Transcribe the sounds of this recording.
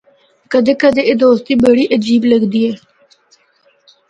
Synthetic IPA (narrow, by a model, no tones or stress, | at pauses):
kəd̪eːkəd̪eːed̪oːst̪iːbeɽiːʔəd͡ʒiːbləɡd̪iːɛː